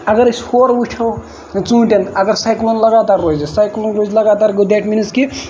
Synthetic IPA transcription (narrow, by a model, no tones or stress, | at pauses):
ɐɡəɾshoɾuʈʰɐw | t͡sũːʈenɐɡəɾsajklonlɐɡaːt̪aɾːod͡ʒisajklonɾozlɐɡaːt̪aːɾɡud̪eʈminiski